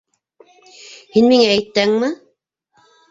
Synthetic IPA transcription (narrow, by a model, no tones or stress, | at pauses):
hinmiŋæːjt̪ːæŋmɘ